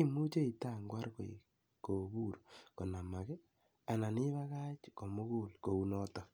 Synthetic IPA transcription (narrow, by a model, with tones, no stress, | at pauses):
i˦mu˦t͡ʃe˦i˨ta˦ŋɡwa˦ɾko̰˨ḭ˨ | ko˨ku˦ɾoko˨na˨ma˨kɛ˦ | a˨na˨ni˦βa˦ɣa˦t͡ʃko˨mu˦ku˦lko˨u˦nɔ˦tɔ˨